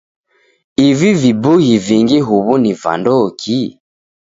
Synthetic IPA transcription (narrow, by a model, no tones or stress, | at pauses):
ivivibuɣiviŋɡiɦuβuniva̰ndɔkʰi